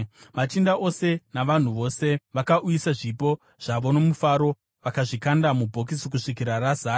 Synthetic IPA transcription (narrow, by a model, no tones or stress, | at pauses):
mat͡ʃindaʔo̞se̞naʋan̤uʋo̞ːse̞ʋakaʔujisaʐipo̞ | ʐ̥aʋo̞no̞mufaɾo̞ | ʋakaʐikandamubʱo̞k̬isik̬uʂik̬iɾarazaː